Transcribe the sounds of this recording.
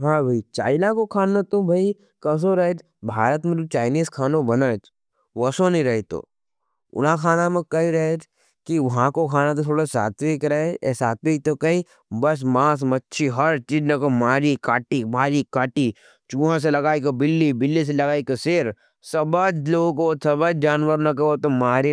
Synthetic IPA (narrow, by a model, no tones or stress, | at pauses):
ɦãːbʱɐit͡ʃa̰ːɪnakokʰaːnot̪obʱɐi | kɐs̬oɾɐɦet̪ | bʱaːɾət̪mẽot͡ʃaːɪniːskʰaːnõbɐnat̪ | ʋɐsonĩɾɐɦet̪o̰ː | ʊ̰nãkʰaːnamẽkɐiɾɐɦet̪ | kiʋɐɦãkokʰaːnat̪ot̪ʰoːɽasa̰ːt̪ʋikɾɐɦesaːt̪ʋik̚t̪okɐi | bɐs̬maːs̬mɐtːʃʰiɦɐɾt͡ʃiːd͡ʒnɐkomaːɾikaːʈimaːɾikaːʈi | t͡ʃuːãs̬elɐɡaːikobɪlːibɪlːis̬elɐɡaːikaseːɾ | sɐbad͡ʒloːɡõkosɐbəd͡ʒd͡ʒaːnʋəɾnɐkɐot̪omaːɾi